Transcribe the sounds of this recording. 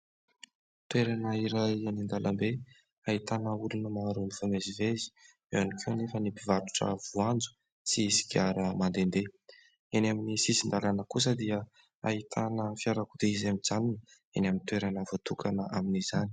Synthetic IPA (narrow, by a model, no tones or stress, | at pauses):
t̪weɾanəiɾajanind̪alʔambe | ait̪anəulunəmaɾunifamezivezi̥ | eanikʰewnefənipivaɾu̥ʈ͡ʂə̰vuand͡zu̥ | t͡sisi̥kʲaɾəmand̪end̪e | enaminisisind̪alanəkus̬əd̪iə | ait̪ʰanəfiaɾakud̪eizamid͡zaninə | enamint̪weɾanəvot̪ukʰanəʔaminizani̥